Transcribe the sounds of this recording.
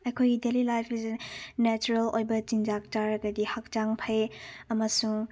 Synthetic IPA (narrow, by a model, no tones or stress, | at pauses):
ɐjkʰojɡidelilajpʰiznɛt͡ʃuɾɐlojbɐt͡ʃinzak̚taɾɐɡɐdihak̚t͡ʃaŋpʰɐjɐmɐsuŋ